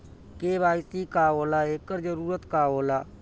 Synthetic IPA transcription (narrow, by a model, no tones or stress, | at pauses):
keːbaːɪsikaːoːlaːeːkːəɾd͡ʒəɾuːɾət̪kaːoːlaː